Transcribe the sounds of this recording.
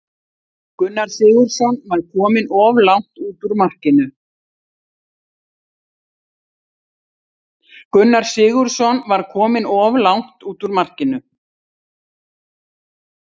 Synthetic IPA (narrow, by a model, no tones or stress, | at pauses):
kʏnːaɾ̥sɪːɣʏɾ̥sɔnvaɾkʰɔːmɪnɔvlawŋ̥t̪uːt̪ʏɾmar̥cɪnʏ | kʏnːaɾ̥sɪːɣʏɾ̥sɔnvaɾkʰɔːmɪnɔvlawŋ̥t̪uːt̪ʏɾmar̥cɪnʏ